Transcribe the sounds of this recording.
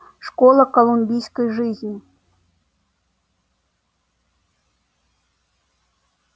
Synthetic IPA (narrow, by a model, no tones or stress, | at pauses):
ʂkɔlˠɐkɐlˠumʲbʲijskəjʐɨzʲnʲi